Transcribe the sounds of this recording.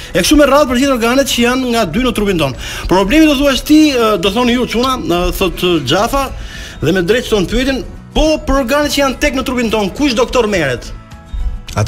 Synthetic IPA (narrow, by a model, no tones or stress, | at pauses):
ɛkʃumɛraðpəɾd͡ʑiθɔɾɡanɛt̪̚t͡ɕəjanŋɡad̪ynət̪ɾupint̪ɔn | pɾɔblɛmid̪ɔθuaʃt̪id̪ɔθɔnjut͡ʃunaθɔt̪d͡ʒafa | ðɛmɛd̪ɾɛt̪̚θɔnpyɛt̪in | pɔpəɾɔɾɡanɛt̪̚t͡ɕəjant̪ɛknət̪ɾupint̪ɔnkuʃd̪ɔkt̪ɔɾmɛɾɛt̪